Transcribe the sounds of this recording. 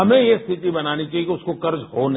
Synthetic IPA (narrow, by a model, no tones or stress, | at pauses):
ɐmẽjest̪ʰɪt̪ibɐnaːnit͡ʃaːɦiekiʊskokɐɾd͡ʒɦoːn